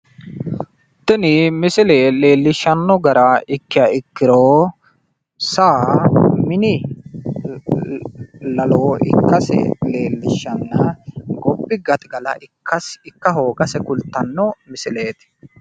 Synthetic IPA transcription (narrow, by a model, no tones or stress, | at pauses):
t̪ːɛnimɪsɪleːle̞ːlːɪʃːɐnːɔɡɐɾɐɪkːɪjɐɪkːɪɾoː | saːmɪnɪ | lɐloːɪ̰kːɐsɛ̰le̞ːlːɪʃːɐnːɐɡɔbːɪɡɐt̪ɡɐlɐ̰ɪkːɐsɪkːɐɦoːɡɐsɛkʊlt̪ːɐnːɔmɪsɪle̞ːt̪ɪ̥